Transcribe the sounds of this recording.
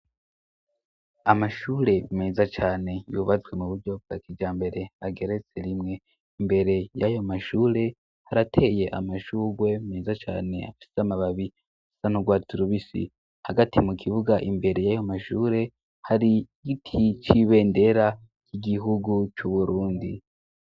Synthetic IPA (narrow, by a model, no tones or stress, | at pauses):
amaʃuːɾe̞meːzat͡ʃaːne̞juːβat͡swe̞muβuɾɟo̞b̚ɡ̥akid͡ʒaːmbe̞ɾe̞aɡe̞ɾe̞t͡se̞ɾimŋe̞ | imbe̞ɾe̞jajo̞maʃuːɾe̞ | haɾatʰe̞je̞ʔa̰maʃuːɡwe̞meːzat͡ʃa̰ːne̞̰a̰fi̥seamaβaβi | afi̥sanoɡwaːtʰuɾuβisḭ | haɡatʰimukʰiβuɡaʔimbe̞ɾe̞jajomaʃuːɾe̞ | haɾiɡitʰit͡ʃiβe̞ːnde̞ɾa | kʰiɡiɦuɡut͡ʃuβuɾuːndi